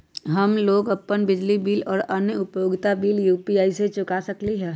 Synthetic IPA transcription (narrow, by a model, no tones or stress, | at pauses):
ɦɐmloːɡɐpːənbɪd͡ʒlibiːlɔːɾɐnjəʊpjoːɡt̪abiːljuːpiaːiset͡ʃʊkasɐkliɦɛː